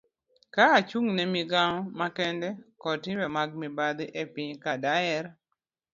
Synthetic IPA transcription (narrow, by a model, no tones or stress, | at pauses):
kaːt͡ʃuŋnɛmiɡaŋɔmakɛndɛkɔtɪmɛmaɡ̚mibad̪ɪʔepiɲkadajɛɾ